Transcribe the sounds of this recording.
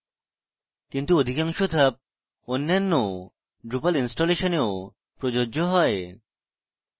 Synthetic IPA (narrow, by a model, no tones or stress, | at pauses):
kint̪uod̪ʱikaŋʃot̪ʰap̚ | onːanːo | ɖɾupalinsʈoleʃoneo | pɾod͡ʑod͡ʑoɦɔe